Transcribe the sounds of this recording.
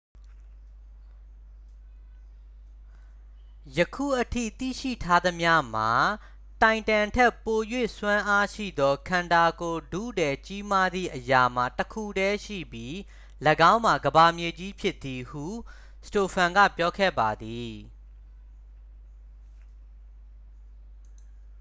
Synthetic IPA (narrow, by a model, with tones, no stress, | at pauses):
jəkʰṵ˦˨ʔətʰḭ˦˨t̪ḭ˦˨ʃḭ˦˨tʰa˦d̪ə˦mja˦m̥a̰˨ | tã˨ɪ̃ntã˨ntʰɛ˦˨pːo˨jwḛ˦˨swã˦ʔa˦ʃḭ˦˨d̪ɔ˦kʰã˨nda˨ɡo˨dṵ˦˨dɛ˨t͡ɕi˦ma˦d̪ðḭ˦˨ʔəja˨m̥a˨təkʰu˦˨dɛ˦ʃḭ˦˨bji˦ | lə˨ɡã˦ʊ̃ma˨ɡəba˨mje˨d͡ʑi˦pʰjɪ˦t̪i˨hṵ˦˨ | sto˨pʰã˨ŋɡä̰˦˨pjɔ˦kʰɛ̰˦˨ba˨d̪i˨